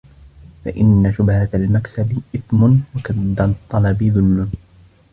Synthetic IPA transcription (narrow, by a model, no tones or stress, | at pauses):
fa̰ʔɪnːaʃʊbhat̪almaksabɪʔɪθmʊnwakaːat̪ˤːɑlɑbɪðʊlːʊn